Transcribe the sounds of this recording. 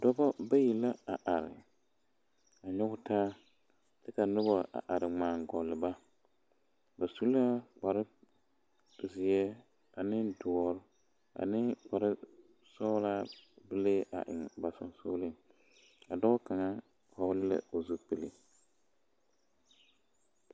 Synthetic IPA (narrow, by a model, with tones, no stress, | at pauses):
dɔ˦bɔ˦ba˦ji˨la˦a˨ʔa˨ɾɪ̰˨ | a˨ɲɔ˦ɣʊ˦taː˦ | tɪ˦ka˨nʊ˦bɔ˨ʔa̰˨ʔa˨ɾɪ˨ŋ͡maː˨ŋɡɔ˨lɪ˨ba˦ | ba˨su˦lk͡pa˨ɾɪ˦˨ | zɪ˨ɛ˦ | a˨nɪ˦dɔ˨˦ɾʊ˦ | a̰˨nɪ˦k͡pa˨ɾɪ˦ | sɔː˦la˦bɨ˦le˦ʔa̰˨ʔɪ̰˨ŋba˨sɔ̰˨soː˦lɪ˦ŋ | a˨dɔ˦ka˨ŋa˦ | ha˦wlɪ˦la̰˨o˨zu˦k͡pe˨lḛ˨